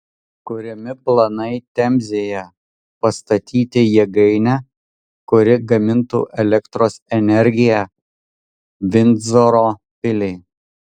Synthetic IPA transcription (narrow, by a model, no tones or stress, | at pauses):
kʊɾʲɪmʲɪplˠɐnɐɪt̪ʲɛmʲzʲejɛ | pɐst̪ɐt̪ʲiːt̪ʲɪjɛɡɐɪnʲɛ | kʊɾʲɪɡɐmʲɪnt̪ṵːʔɛlʲɛkt̪ɾoːsɛnʲɛɾʲɡʲɪjæ | ʋʲɪnzoɾoː | pʲɪlʲɛɪ